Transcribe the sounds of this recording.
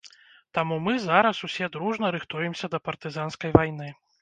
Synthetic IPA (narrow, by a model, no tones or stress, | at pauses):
t̪amumɨzaɾɐsusʲɛd̪ɾuʐnɐɾɨxt̪ujɛmsʲɐd̪ɐpɐrt̪ɨzanskɐjvajnɨ